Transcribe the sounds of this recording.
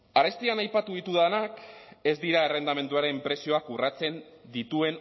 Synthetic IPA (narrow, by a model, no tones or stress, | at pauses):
aɾe̞st̪ianajpat̪uðit̪uðanake̞zd̪iɾaere̞nd̪ame̞nd̪uaɾe̞mpɾe̞sio̞akurat͡se̞n | d̪it̪ue̞n